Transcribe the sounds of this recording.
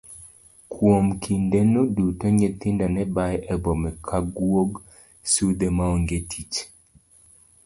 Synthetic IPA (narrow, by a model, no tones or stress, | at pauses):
kʰwomkʰindenudutoɲet̪indanɛbajʔɛbɔmɛkʰaɡwoɡ | sud̪emaoŋɡetʰit͡ʃ